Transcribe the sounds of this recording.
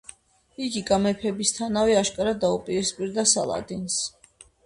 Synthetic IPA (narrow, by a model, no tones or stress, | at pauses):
iɡiɡamɛpʰɛbist̪ʰanaviaʃkʼaɾad̪aupʼiɾispʼiɾd̪asa̰lˠa̰d̪ins